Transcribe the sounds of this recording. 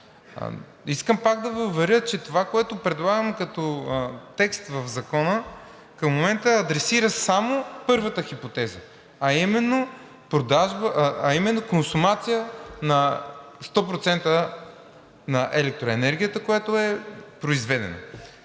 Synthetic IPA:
iskəmpaɡ̚d̪ɐvəʊvɛɾʲjət͡ʃɛt̪ovakoɛt̪opɾɛd̪lˠaɡəmkɐt̪ɔt̪ɛkst̪vɐvzɐkɔnə | kəmːomɛnt̪əɐd̪ɾɛsiɾəsamopɤɾvət̪əxipot̪ɛzə | ɐimɛnːo | pɾod̪aʒbəʔɐimɛnːokonsumat̪sijənɐst̪ɔpɾot̪sɛnt̪ə | nɐʔɛlɛk̚t̪ɾoɛnɛɾɡʲijət̪əkojat̪oɛpɾoizvɛd̪ɛ̰no̰

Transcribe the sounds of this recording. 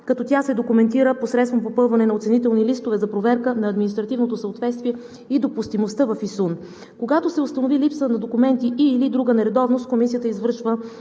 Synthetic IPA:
kɐt̪ɔt̪ʲjasɛd̪okumɛnt̪iɾəposɾɛt̪st̪vomp̬opɤlˠvɐnɛnɐot̪sɛnit̪ɛlˠnilist̪ovɛzɐpɾovɛɾkənɐːd̪minist̪ɾɐt̪ivnot̪osəot̪vɛt̪st̪viɛ | id̪opust̪imost̪əvɐfisun | koɡat̪osɛʊst̪ɐnovilipsənɐd̪okumɛnt̪iʔiːlid̪ɾuɡənɛɾɛd̪ɔvnost̪̚komisijət̪əizvɤɾʃvə

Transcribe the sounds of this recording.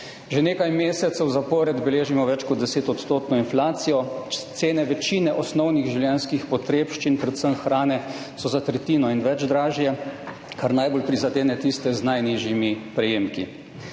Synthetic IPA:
ʒɛneːkajmeːsɛt̪sɛwzapɔɾɛd̪bɛleːʒimɔʋɛt͡ʃkɔt̪d̪ɛseːt̪ɔt̪st̪oːt̪nɔinflaːt̪sijɔt̪seːnɛʋɛt͡ʃiːnɛʔɔsnɔwniɣʒiwljɛnskixpɔt̪ɾeːpʃt͡ʃinpɾɛt̪səmxɾaːnɛ | sɔzat̪ɾɛt̪iːnɔinʋɛd͡ʒd̪ɾaːʒjɛ | kaɾnajbolpɾizad̪eːnɛt̪ist̪ɛznajniʒjimipɾɛjeːmki

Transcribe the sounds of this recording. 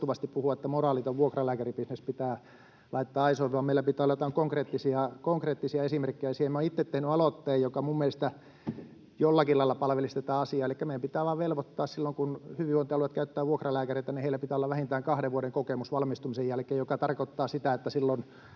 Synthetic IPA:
t̪uʋɑst̪ippuhuɑet̪ːæmorɑːˑlit̪oʋʋuokrɑlæːkæripisnespit̪æː | lɑit̪ːɑːɑisoʋiʋɑːmeilæpit̪ˑæːolːɑjot̪ɑŋkoŋkreːt̪ːisiɑkoŋkreːt̪ːisiɑesimerkːejæɑsiemːæoit̪ːet̪t̪ːehnyɑlot̪ːeːjjokɑmumːelest̪æ | jolːɑkilɑilːɑpɑlʋelist̪et̪ɑːɑsiɑːelikːæmeijæmpit̪æːʋɑːʋʋelʋot̪ːɑːssilːoŋkunhyʋiʋoint̪ːɑloɑt̪kæyt̪ːæːʋʋuokrɑlæːkæreˑit̪ɑnieilæpit̪æːolːɑʋæhint̪æːŋkɑhɾeʋʋuoɾeŋkokemusʋɑlmist̪umisejjælkeːjjokɑt̪ɑrkot̪ːɑːsit̪æet̪ːæsilːon

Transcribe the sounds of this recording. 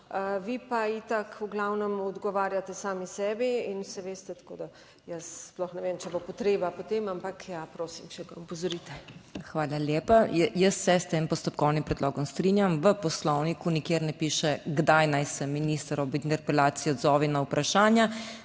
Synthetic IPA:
əʋipait̪akuɡlawnɔmɔd̪ɡɔʋaːɾjat̪ɛsaːmisɛːbiinsɛʋeːst̪ɛt̪ḁko̰ːd̪a | jəssplɔxnɛʋemt͡ʃɛbopɔt̪ɾeːbapɔt̪emampakjapɾoːsimt͡ʃɛɡaɔpɔzɔɾit̪ɛxʋaːlaljeːpajjəst̪ːɛst̪eːmpɔst̪ɔpkɔwnimpɾɛd̪lɔːɡɔmst̪ɾinjamʋəpɔslɔwnikunikeːɾnɛpiːʃɛɡd̪ajnajsɛmːinist̪ɾɔʋint̪ɛɾpɛlaːt̪sijɔd̪zɔːʋinaupɾʔaʃaːnja

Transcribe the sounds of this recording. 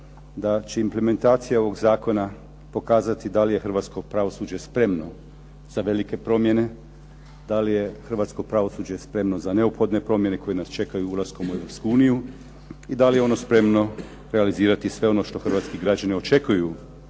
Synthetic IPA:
d̪at͡ɕe̞imple̞me̞nt̪aːt̪sijao̞ʋo̞ɡzaːko̞na | po̞kaːzat̪id̪alije̞xr̩ʋaːt̪sko̞pɾaʋo̞suːd͡ʑe̞spɾe̞mno̞ | z̥aʋe̞like̞pɾo̞mje̞ne̞ | d̪alije̞xr̩ʋaːt̪sko̞pɾaʋo̞suːd͡ʑe̞spɾe̞mno̞zane̞upxo̞d̪ne̞pɾo̞mje̞ne̞ko̞jenast͡ʃe̞kajuulˠasko̞mue̞ʋɾo̞pskuuːniju | id̪alijeo̞no̞spɾe̞mno̞ | ɾealiziːɾat̪isʋe̞o̞no̞ːʃt̪o̞xr̩ʋaːt̪skiɡɾad͡ʑanio̞t͡ʃe̞kuju

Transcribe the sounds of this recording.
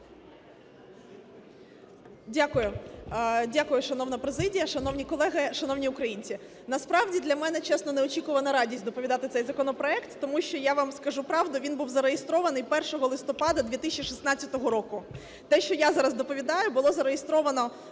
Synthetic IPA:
dʲakʊjʊ | dʲakʊjʊʃɐnɔwnɐpɾezɪdʲijɐʃɐnɔwnʲikɔlˠɛɦɪʃɐnɔwnʲiʊkɾɐjinʲt͡sʲi | nɐspɾɑʋdʲid̪lʲɐmɛnɛt͡ʃɛsnɔneɔt͡ʃʲikʊʋɐnɐɾɑdʲisʲd̪ɔpɔʋʲid̪ɑt̪ɪt̪sɛjzɐkɔnɔpɾɔɛkt̪ːɔmuʃt͡ʃɔjaʋɑmskɐʒupɾɑʋd̪ʊʋʲinbuwzɐɾejest̪ɾɔʋɐnɪjpɛrʃɔɦɔlˠɪst̪ɔpɑd̪ɐd̪ʲʋʲit̪ɪsʲt͡ʃʲiʃisnɑt͡sʲɐt̪ɔɦɔɾɔkʊ | t̪ɛʃt͡ʃɔjazɑɾɐzd̪ɔpɔʋʲid̪ɑjʊbʊlˠɔzɐɾejest̪ɾɔʋɐnɔ

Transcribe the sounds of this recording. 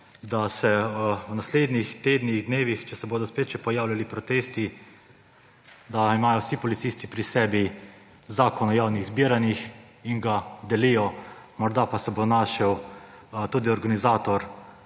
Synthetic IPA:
d̪asɛwnasleːd̪nixt̪eːd̪niɣd̪neːʋixt͡ʃɛsɛboːd̪ɔspett͡ʃɛpɔjaːwlʲalipɾɔt̪eːst̪i | d̪aimaːjɔwsipɔlit̪siːst̪ipɾisɛːbi | zaːkɔnɔjaːwniɣzbiəɾanix | iŋɡad̪ɛlijɔmɔɾd̪apasɛbonaːʃɛw | t̪uːd̪iɔɾɡanizaːt̪ɔɾ

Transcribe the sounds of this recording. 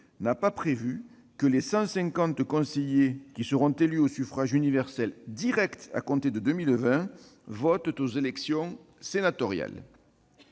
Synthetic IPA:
napapχevy | kəlesɑ̃sɛ̃ŋkɑ̃t̪kɔ̃sejekʲisəʁɔ̃t̪elyosyfχaʒynivɛʁsɛld̪iʁɛkt̪a̰kɔ̃t̪ed̪əd̪əmilvɛ̃ | vɔt̪t̪ozelɛksjɔ̃ | senat̪ɔʁja̰l

